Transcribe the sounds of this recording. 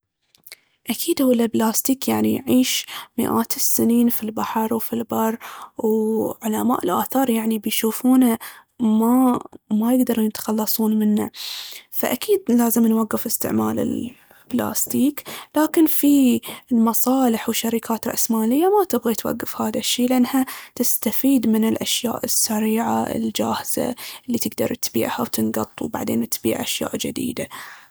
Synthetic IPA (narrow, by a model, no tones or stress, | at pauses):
ʔakʰiːd̪ʊwɪlːalblaːst̪iːkjaʕnijʕiːʃmɪ̰ʔa̰ːt̪ɪsːɪniːnfilbaħɑɾˤwfilbɑrˤwʕʊlama̰ːʔɪlʔaːθɑːɾˤjaʕnibɪjʃuːfuːna | mamajɪɡd̪ɑɾˤjɪt̪xɑlːɑsˤuːnmɪnːa̰fa̰ʔakiːd̪laːzɪmnwaɡːɪfɪst̪ɪ̰ʕma̰ːlɪ̰l | bla̰ːst̪iːklaːkɪnfilmɑsˤɑːlɪħwɪʃːaɾikʰaːt̪ɾʔasmaːlɪjːamat̪ɪbɣat̪wa̰ɡːɪfhaːðaʃːiːlɪʔanːhat̪ɪst̪afiːd̪mɪnɪlʔaʃja̰ːʔɪsːaɾiːʕa̰ɪ̰ld͡ʒaːhz̥a̰lːit̪ɪɡd̪ɑ̰ɾˤt̪bḭːʕhawt̪ɪnɡɑt̪ˤːwba̰ʕd̪ḛːnʔt̪bḭːʕʔaʃja̰ːʔd͡ʒɪd̪ḭːd̪a